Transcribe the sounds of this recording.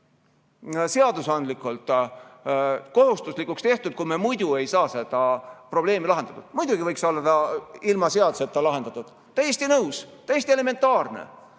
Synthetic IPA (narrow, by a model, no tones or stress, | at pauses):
se̞ɑd̪usɑnd̪likːˑult̪ˑ | ko̞ɦust̪uslikːˑukst̪e̞ht̪ud̪̚kujmemujd̪̥ue̞jsɑːse̞d̪̥ɑpro̞b̥le̞ːmilɑɦend̪̥ɑt̪ud̪̥mujd̪̥uɡivɤjksolːd̪ɑilmɑse̞ɑd̪̥use̞t̪ːɑlɑɦe̞nd̪̥ɑt̪ːˑud̪̥ | t̪ːæjːest̪inɤwst̪æjːest̪ie̞le̞me̞nt̪ːˑɑːrnḛ